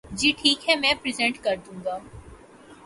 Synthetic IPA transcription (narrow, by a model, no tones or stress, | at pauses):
d͡ʒiːʈʰiːkɦɛ̃mɛ̃ːpɾɪzɛ̃ɳʈkɐɾd̪ũːŋɡaː